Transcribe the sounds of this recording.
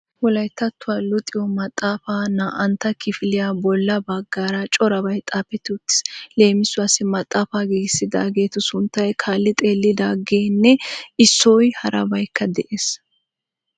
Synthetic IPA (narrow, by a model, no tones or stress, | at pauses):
wɔlɐjt̪ːɐt̪ːʊwaːlʊt̪ʼːɪjɔmɐt̪ʼːaːfaːnaːʔɐnt̪ːɐkʰɪfɪlɪjabɔlːɐbɐɡːaːɾɐt͡ʃʼɔɾɐbɐjt̪ʼaːpːɛt̪ːɪʊt̪ːɪ̥sle̞ːmɪsʊasɪmɐt̪ʼːaːfaːɡiːɡɪsːɪd̪a̰ːɡe̞ːt̪ʊsʊnt̪ːɐjkʰaːlːɪt̪ʼe̞ːlːɪd̪aːɡeːnːɛɪsːɔjhɐɾʔɐ̰bɐjkːɐd̪ɛʔeːs